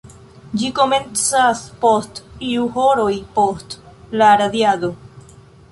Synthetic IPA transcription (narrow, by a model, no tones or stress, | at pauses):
d͡ʒikomẽnsaspost̪iuhoɾojpost̪ | laɾaðjaðo